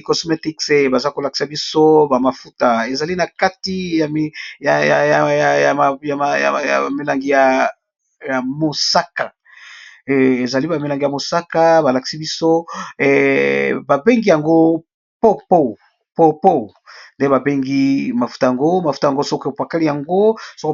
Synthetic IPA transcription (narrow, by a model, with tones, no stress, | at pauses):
kɔ˨sme˦ti˦kse˨ba˨za˦ko˨la˨ki̥˨sa˨bi˦so˦ba˨ma˨fu˦ta˨e˨za˨li˦na˨ka˦ti˦ja˨m˦ja˨a˨ja˨jja˨ja˨ja̰˨ja̰˨me˨la˨ŋɡi˨ja˨ | ja˨mo˨sa˦ka˨ | e˨za˨li˦ba˨me˨la˨ŋɡi˨ja˨mo˨sa˦ka˦ba˨la˨ki̥˨si˦bi˦so˦˨ | ba˨be˦ŋɡi˦ja˨ŋɡo˦ | po˦po˦˨ | po˦po˦˨nde˦ba˨be˦ŋɡi˦ma˨fu̥˦ta˨ja˨ŋɡo˦ma˨fu˦ta˨ja˨ŋɡo˦so˦ko˦˨pa˨ka˦li˦ja˨ŋɡo˦so˦ko˦